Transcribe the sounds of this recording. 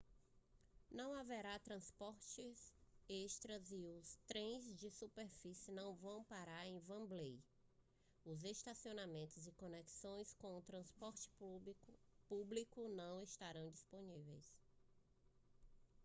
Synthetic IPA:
nɐ̃w̃avɛɾat̪ɾɐ̃spɔɾt͡ʃɪzeʃt̪ɾɐzɪʊst̪ɾẽj̃zd͡ʒɪsupeɾfisɪnɐ̃w̃vɐ̃w̃paɾaɾẽj̃vɐ̃blej | ʊzest̪asionamẽnt̪ʊzɪkõnɛksõj̃skõʊt̪ɾɐ̃spɔɾt͡ʃɪ̥ | publikʊnɐ̃w̃est̪aɾɐ̃w̃d͡ʒisponivḛjs

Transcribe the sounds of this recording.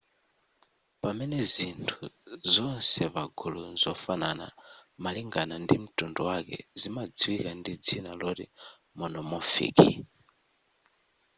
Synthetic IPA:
pamɛnɛzintʰuzɔnsɛβaɡulunzɔfanana̰maliŋɡanandim̩tunduwakɛ̰zimad͡ziwikandid͡zinalɔɾi | mɔnɔmɔfḭːki

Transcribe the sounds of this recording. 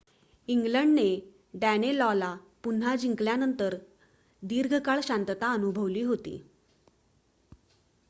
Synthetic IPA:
iŋɡləɳɖne | ɖænelɔla | pun̤ːad͡ʑiŋkljanənt̪əɾ | d̪iɾɡʱəkaɭɕant̪t̪aənubʱəʋliːɦot̪ḭː

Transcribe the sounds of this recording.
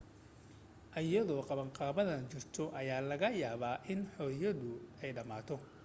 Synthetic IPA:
ʔɐjɐðɔːqɑβɐɴqʼɑːβɐðɐnt͡ʃʊrt̪ʰɔʔɐjaːlɐɣɐjaːβaːʔɪnħɔːjɐðʊɛjɖɐmaːt̪ʰɔ

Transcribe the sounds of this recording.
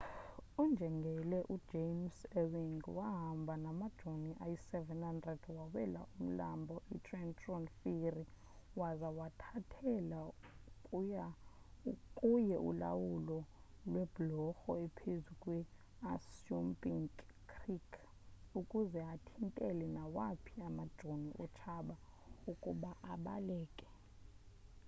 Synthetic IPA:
ɔnd͡ʒʱɛŋɡʱɛlɛʔud̥ʒ̥eimsɛwiŋwaɦambʱanamad̥ʒ̥ʱoniʔajisɛvɛnhandrɛd̥wawɛ̰la̰ʔum̩la̰mbʱɔʔitʼrɛntʼrɔnfiri | wazawatʰatʰɛlakʼuja | kʼujɛʔṵla̰wulɔ | lwɛb̥lɔxɔɛpʰezukʼwɛ | asumpʼiŋkːʰ | rikʰ | ukʼuzɛatʰintʼɛlɛnawapʰiamad̥ʒ̥ʱoniʔɔt͡ʃʰaɓaukʼuɓaʔaɓa̰lɛːkʼɛ̥

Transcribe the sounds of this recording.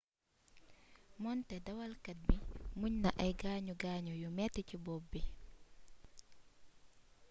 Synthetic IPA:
mɔntɛdawalkat̚bimuɲnaʔajɡaːɲuɡaɲɔjumɛtːɛcibɔbːɛ

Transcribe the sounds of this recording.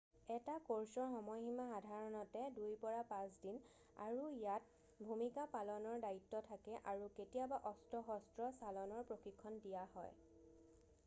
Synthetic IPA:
ɛtakoɹsɔɹxɔmɔjximaxadʱaɹɔnɔtɛdujpɔɹapãsdin | a̰ɹuijat̚ | bʱumikapalɔnɔɹdaitːɔtʰakɛʔaɹuketijabaʔɔstɔxɔstɹɔsalɔnɔɹpɹoxikʰːɔndijaɦɔ̰j

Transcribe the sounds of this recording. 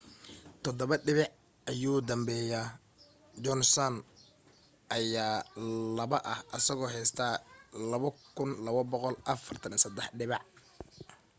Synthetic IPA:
t̪ʰɔd̪ɔβɐɖɪβɑʕ | ʔɐjuːd̪ɐmbɛːjaː | d͡ʒɔnsɐn | ʔɐjaːlɐβɐʔɐhʔɐsɐɣɔːɦɛjst̪ʰaːlɐβɐkʰʊnlɐβɐbɔqɔlʔɐfɐrt̪ʰɐnsɐd̪ɛħɖɪβɑʕ

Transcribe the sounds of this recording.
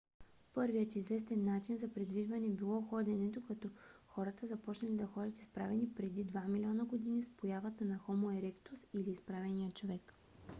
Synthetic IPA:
pɤɾvijət̪izvɛs̬t̪ɛnːat͡ʃinzɐpɾɛd̪viʒvɐnɛbilˠɔxɔd̪ʲɛnɛd̪okɐt̪ɔxɔɾɐt̪əzɐpɔt͡ʃnɐlid̪ɐxɔd̪ʲət̪i̥spɾavɛnipɾɛd̪id̪vamilʲiɔnəɡod̪inispojavət̪ənɐxɔmoɛɾɛkt̪ʊsiliːspɾavɛnijət͡ʃovɛk

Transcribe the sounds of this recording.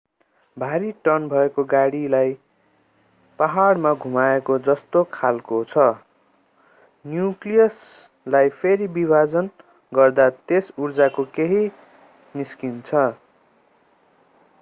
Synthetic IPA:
bʱaɾiʈʌnbʱʌekoɡaɽilaj | paɦaɽmaɡʱumaekod͡zʌst̪okʰalkot͡sʰʌ | njuklijʌs | lajpʰeɾibibʱad͡zʌn | ɡʌrd̪at̪esurd͡zakokeɦi | niskint͡sʰʌ

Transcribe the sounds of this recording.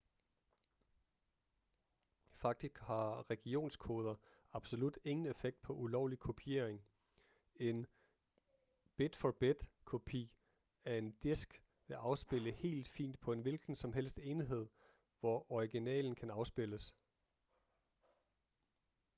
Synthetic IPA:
fɑ̈ɡ̥̚d̥isɡ̥hɑ̈ʁɛɡ̥io̝̰ːnskʰo̝ːð̞ˠɐ | ɑ̈b̥so̝lud̥e̝ŋn̩e̝feɡ̥̚d̥̚pʰɒ̽ʔulɒʊlikʰo̝pʰie̝̰ɐeŋ | e̝n | b̥e̝d̥fɒb̥ed̥kʰo̝pʰḭː | æɐe̝nd̥esɡ̥ | ʋe̝ʔɑ̈ʊsb̥e̝ləhe̝̰ːld̥fḭːnd̥pʰɒ̽e̝nʋilɡ̥n̩sɒ̽mɦel̰sd̥e̝ːniɦe̝ð̞̰ˠ | ʋɒɒiɡ̥inɛ̰ːln̩kʰænɑ̈ʊsb̥e̝ləs

